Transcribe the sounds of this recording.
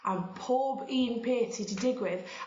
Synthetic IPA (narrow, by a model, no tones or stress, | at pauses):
anpʰoːbiːnpʰeːtʰidɪdɪɡwɪð